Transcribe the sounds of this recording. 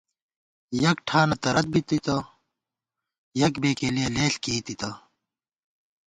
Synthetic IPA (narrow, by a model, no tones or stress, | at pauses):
jɐk̚ʈʰaːnɐt̪ɐɾɐt̪̚bit̪it̪ɐ | jɐkbeːkelijeleːɬkiːt̪it̪ɐ